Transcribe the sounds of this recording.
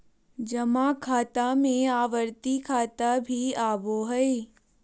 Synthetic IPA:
d͡ʒɐmãːkʰaːt̪amẽaːʋəɾt̪ikʰaːt̪abʱiaːboɦɐe

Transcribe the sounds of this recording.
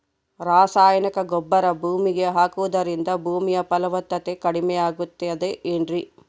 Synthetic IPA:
ɾaːsaːjɐnɐkɐɡɔbːɐɾɐbʱuːmiɡeɦaːkuʋɐd̪ɐɾind̪ɐbʱuːmijɐpɐlɐʋɐt̪ːɐt̪ekɐɽimɛjaːɡut̪ːeɐd̪eʔeɳɖɾi

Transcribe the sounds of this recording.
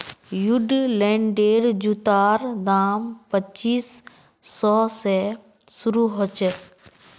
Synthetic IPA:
jʊɖlɛ̃ːɳɖeːɖd͡ʒut̪aːɾd̪aːmpət͡ʃiːsː | ɔːsɛ | sʊɾuɦot͡ʃ

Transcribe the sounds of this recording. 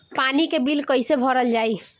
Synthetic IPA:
panikebilkəjsebʱɔɾəld͡ʒaj

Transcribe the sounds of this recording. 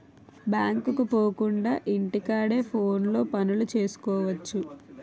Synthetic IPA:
bjaːŋkukupo̞ːkuɳɖaːʔiɳʈikaːɽe̞ːpʰo̞ːnlo̞ːpɐnulut͡ʃe̞ːsu̥kɔːʋɐt͡ʃːu

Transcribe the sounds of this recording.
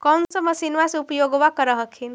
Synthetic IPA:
kɔwnsəməsinʋaseupjoɡʋakəɾəɦəkʰin

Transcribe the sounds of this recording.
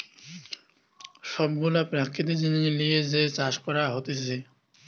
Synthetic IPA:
ʃɔbɡulapɾakːit̪id͡ʑinilijed͡ʑet͡ɕaʃkɔɾaɦot̪et͡ɕʰe

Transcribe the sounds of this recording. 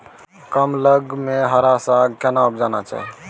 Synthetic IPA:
kəmləɡmeɦəɾasakanaupd͡ʒanat͡ʃa̰ɦɛ

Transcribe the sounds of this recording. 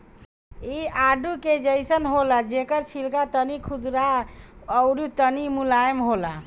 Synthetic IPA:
iaɖuked͡ʒəjsənɦolad͡ʒekəɾt͡ʃʰilkat̪ənikʰud̪ɾaəʊɾut̪ənimulajəmɦola

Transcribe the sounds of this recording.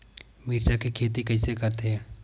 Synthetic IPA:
miːɾt͡ʃakikʰeːt̪̬ikɐĩsekɐɾt̪eɦɛ̃ː

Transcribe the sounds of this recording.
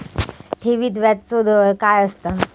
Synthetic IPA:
ʈʰeʋiːt̪ʋat̪t͡sod̪ʱəʋəɾkajəst̪a

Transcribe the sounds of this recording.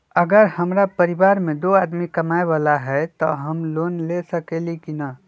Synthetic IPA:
əɡəɾhəmɾapəɾibaɾmẽd̪oad̪mikəmaebalaɦɛt̪ɔɦəmlonlesəkelikinə

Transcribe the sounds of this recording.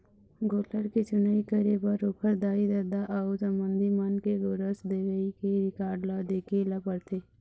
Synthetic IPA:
ɡoːləɾket͡ʃʊnəikəɾebəɾokʰəɾd̪aːid̪ɐd̪aʔɐʊsəmbə̃nd̪ʱimənkeɡoɾəsd̪eːʋəikeɾɪkaːɾɖlad̪eːkeləpəɽt̪ʰeː

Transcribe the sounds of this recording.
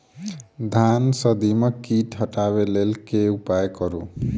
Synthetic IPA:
d̪ʱansəd̪imekiʈɦəʈaβelelkeupajkʌɾṵ

